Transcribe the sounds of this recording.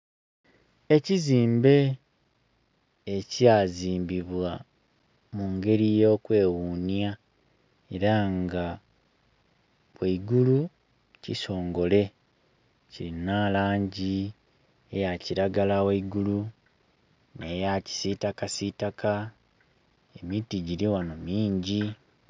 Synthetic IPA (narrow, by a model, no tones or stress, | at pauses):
e̞ciziːmbe̞ | caziːmbiβwa | muŋɡe̞ɾijo̞ːkwe̞ːwunja | e̞ɾaŋɡa | weiɡulu | ciso̞ːŋɡo̞le̞ | ciɾinalaːɲɟi | ejaciɾaɡalaweiɡulu | ne̞jaci̥sitakasitakʰa | emitiɟiɾiwanomiːɲɟi